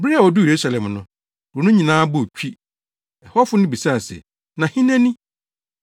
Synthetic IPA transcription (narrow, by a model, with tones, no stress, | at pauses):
bɾi˦a˨wɔ˨du˦˨e˨ɾu˦sa˨lɛ̃˨mnʊ̃˨ | wɔ˨nʊ̃˦ɲĩ˨nãː˦bʊ˦˨t͡ɕʰᶣi˦ | ɛ˨hɔ˦fʊ˦nɪ̃˦bi˨sa˦˨sɛ̰˨ | nã˨hĩ˦nɛ̃˦nɪ̃˦